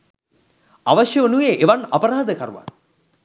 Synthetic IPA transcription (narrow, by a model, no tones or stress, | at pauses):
aʋaʃjəonujeʔeʋanapɐɾaːd̪əkaɾuʋa̰n